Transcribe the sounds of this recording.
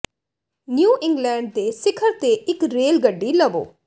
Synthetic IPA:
njuːʔɪ̃ŋɡlɛ̃ːɳɖ̚d̪eːsɪkʰəɾt̪eːɪkɾeːlɡəɖːiːləʋo̰ː

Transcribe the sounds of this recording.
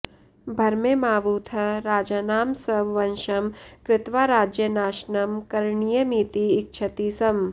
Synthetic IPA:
bʱɐɾmemaːʋuːt̪ʰɐɾaːd͡ʒaːnaːmsɐʋʋɐnʃɐmkɾɪt̪ʋaːɾaːd͡ʒjɐnaːʃnɐmkɐɾɳijɐmiːt̪iːk̚t͡ʃʰɐt̪iːsɐm

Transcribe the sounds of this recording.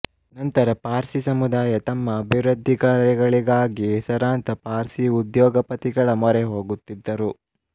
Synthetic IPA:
nɐnt̪ɐɾɐpaːɾsisɐmud̪aːjɐt̪ɐmːɐːbʱiʋɾɐd̪ʱːikɐɾɛɡɐɭiɡaːɡisɐɾaːnt̪ɐpaːɾsiud̪jɔːɡɐpɐt̪iɡɐɭɐmɔɾɛɦo̞ːɡut̪ːid̪ːɐɾu

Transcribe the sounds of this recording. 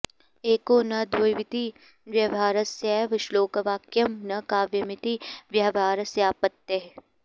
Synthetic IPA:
eːkoːnɐd̪wojʋɪt̪i | ʋjɐʋaːɾɐsjaʋɐʃloːkɐʋaːkjɐmnɐkaːʋjɐmɪt̪iʋjɐʋaːɾɐsjaːpɐt̪ːeɦ

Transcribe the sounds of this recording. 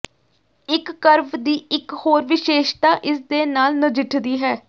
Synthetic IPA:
ɪkːəɾʋd̪iːɪkhoːɾʋɪʃeːʃt̪aːʔɪsd̪eːnaːlnəd͡ʒɪʈʰd̪iːɦɛː

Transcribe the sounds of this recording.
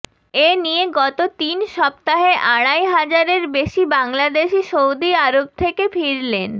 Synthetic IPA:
enieɡɔt̪ot̪inʃɔb̚t̪aɦeʔaɽajɦad͡ʑaɾeɾbeʃibaŋlad̪eʃiʃowd̪iaɾob̚t̪ʰekefʰiɾlen

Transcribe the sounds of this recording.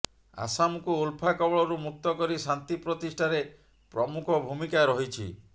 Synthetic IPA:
a̰samukuːlpʰakɔbɔɭɔɾumuk̚t̪ɔkɔɾisant̪ipɾɔt̪isʈʰaɾe | pɾɔmukʰɔbʱumikaɾɔɦit͡ʃʰḭ

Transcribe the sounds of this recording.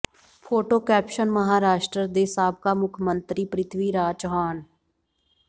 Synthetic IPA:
pʰoːʈoːkɛːpʃənməɦaːɾaːʃʈɾəd̪eːsaːb̚ʱkaːmʊkʰmə̃nt̪ɾiːpɾɪt̪ʰʋiːɾaːt͡ʃɦaːn

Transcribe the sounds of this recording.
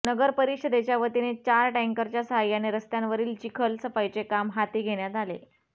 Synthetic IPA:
nəɡəɾpəɾikɕəd̪et͡ɕjaʋət̪inet͡ɕaɾʈɛ̃ŋkəɾt͡ɕjasəɦajːaneɾəst̪jãnʋəɾiːlt͡ɕikʰəlsəpajt͡sekamɦat̪iːɡʱeɽjat̪alḛ

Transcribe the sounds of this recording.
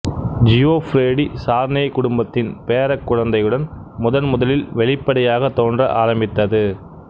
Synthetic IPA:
d͡ʒɪoːfɾeːɽisaːɾneːkʊɽʊmbɐt̪ːɪnpeːɾɐkːʊɻɐnd̪ɐjɯɽɐnmʊðɐnmʊðɐlɪlʋɛɭɪpːɐɽɐjaːɣɐt̪ːoːndrɐʔaːɾɐmbɪt̪ːɐðɯ

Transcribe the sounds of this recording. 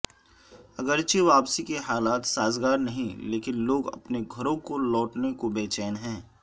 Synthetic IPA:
ɐɡəɾt͡ʃeʋaːpsikeɦaːlaːt̪saːzɡaːɾnɐɦĩleːkɪnloːɡɐ̰pneɡʱɐɾõkolɔːʈnekobeːt͡ʃɛːnɦɛ̃ː

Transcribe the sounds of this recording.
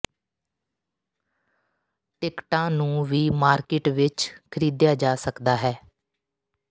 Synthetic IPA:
ʈɪkʈãːnũːʋiːmaːɾkɪʈʋɪt͡ʃkʰəɾiːd̪jaːd͡ʒaːsəkd̪aːɦɛː

